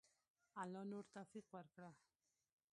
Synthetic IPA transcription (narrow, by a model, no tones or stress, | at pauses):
alɔnuɾt̪afikwaɾkɾa